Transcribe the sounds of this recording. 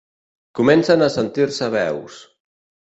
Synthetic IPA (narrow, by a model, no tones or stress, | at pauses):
kumɛnsanasent̪iɾsəβɛws